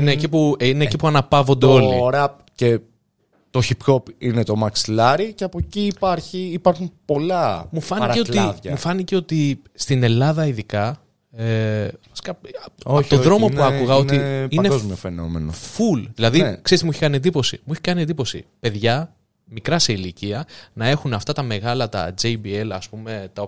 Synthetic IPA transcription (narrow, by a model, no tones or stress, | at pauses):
inecipuinecipuɐnɐpɐvo̞nd̪eo̞lioɾeɐ | ce̞ | t̪oçipçopinet̪o̞mɐksilɐɾiceɐpo̞ciːpɐɾçiːpɐɾxunpo̞lɐmufɐnieot̪ivɐmufɐniceo̞t̪i | st̪ine̞lɐðɐiðikɐ | eɐsi̥kɐoçt̪oðɾo̞mopuɐkuɣɐo̞nt̪iineɡozmofenomḛno̰fulðilɐðikse̞ɾist̪emueçikɐnie̞nd̪ipo̞sḭmueçi̥kɐniend̪ipo̞sḭpe̞ðʝɐ | mikɾɐse̞iliciɐnɐe̞xunɐft̪ɐt̪ɐme̞ɣɐlɐt̪ɐ̰d͡zejbielɐ̰spume̞t̪ɐo